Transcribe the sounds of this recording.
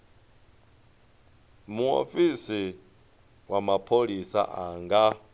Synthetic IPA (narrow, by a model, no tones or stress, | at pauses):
muo̰fisi | wamapʰolisa̰ʔaŋɡa